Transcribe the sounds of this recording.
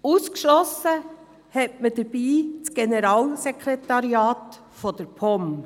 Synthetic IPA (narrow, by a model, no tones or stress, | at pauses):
uːskʃlɔsə | hɛtməd̥əɾb̥iːt͡sɡ̥enɛɾɑːlsɛkʰɾɛtɑɾiɑːt | fɔd̥əɾpʰɔm